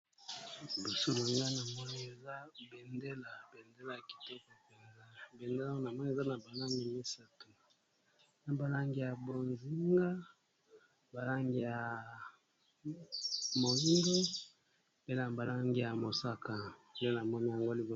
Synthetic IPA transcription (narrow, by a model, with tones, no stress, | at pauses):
bo˨so˦na˨ŋɡa˦na˨mɔ˦ni˦e˨za˦be˨nde˦la˨be˨nde˦la˨ja˨ki̥˨tɔ˦ko˨pɛ˨nza˦bɛ˨nde˦lna˨mɔ˦ni˦˨za˦na˨ba˨la˦mi˨mi˦sa˦tu˨˦ | na˨ba˨la˦ŋɡi˨ja˨bo˨nzi˦ŋɡa˦ | ba˨la˦ŋɡi˨ja˨ | mo˨li˦ndo˦ | pe˦na˨ba˨la˦ŋɡi˦˨ja˨mo˨sa˦ka˨n˨de˦na˨mɔ˦ni˦ja˨ŋɡo˦li˨bo˨